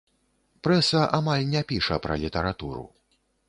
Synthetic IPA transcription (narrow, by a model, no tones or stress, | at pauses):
pɾɛsɐʔamalʲnʲɛpʲiʂɐpɾɐ̰lʲit̪ɐɾat̪uɾṵ